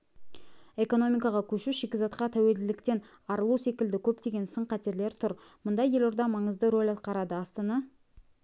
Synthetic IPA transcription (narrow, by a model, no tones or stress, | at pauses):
e̞ko̞no̞mijkɑʁɑkʲʰɵʃuʃekʲɪzɑt̪qɑt̪ʰæwe̞ld̪ɪlɪkt̪e̞n | ɑɾəlˠuse̞kʲɪld̪ɪkʲʰɵp̚t̪e̞ɡʲe̞nsəɴqʰæt̪e̞ɾle̞ɾt̪ʰʊɾ | mʊnd̪ɑje̞lʊɾd̪ɑmɑɴəzd̪əɾo̞lʲɑt̪̚qɑɾɑd̪əɑst̪ɑnɑ